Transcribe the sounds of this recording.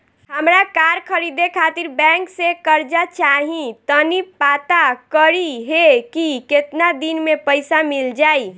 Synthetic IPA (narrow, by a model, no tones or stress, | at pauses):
ɦəmɾakaɾkʰəɾid̪ekʰat̪iɾbɛ̃ŋksekəɾd͡ʒat͡ʃaɦĩt̪ənipat̪akəɾiɦekiket̪nad̪inmepəɪsamild͡ʒaj